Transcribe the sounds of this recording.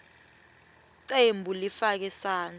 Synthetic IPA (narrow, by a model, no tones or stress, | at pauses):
ǀembʱulifak̬ɛsaːn